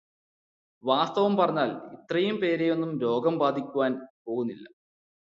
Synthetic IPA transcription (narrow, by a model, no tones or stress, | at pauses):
ʋaːst̪ɐʋɐmpɐrɐɲːaːlit̪rɐjumpe̞ːɾejo̞nːumɾo̞ːɡɐmbaːd̪ʱikʲːuʋaːnpo̞ːɣunːilːɐ